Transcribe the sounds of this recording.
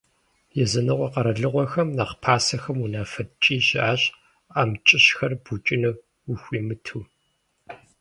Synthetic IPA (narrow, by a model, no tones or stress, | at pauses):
jɛzɐnɨʁʷɔqɐɾɐɮɨʁʷɔxɐmnaːqpʰaːsɐxɐmunaːfɐtt͡ʃʼiːɕɪʔaːɕʼ | aːmt͡ʃʼɪɕxɐrbut͡ʃʼɪnɐ | wʊxʷiːmɨtʰuː